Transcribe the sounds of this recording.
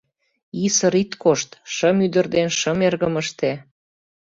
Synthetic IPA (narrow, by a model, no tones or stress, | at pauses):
isəɾit̪koʃt̪ʃəmyd̪ə̆rd̪enʃəmerɣəməʃt̪e